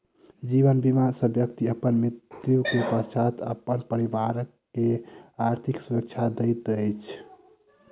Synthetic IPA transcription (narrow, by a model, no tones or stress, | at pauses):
d͡ʒiβənbimasəbjəkt̪iəpənmɾit̪jukepəst͡ʃat̪ʰə̰pːənpəɾibaɾəkːeaɾt̪ʰiksuɾək̚t͡ʃʰad̪əjt̪əjt͡ʃʰ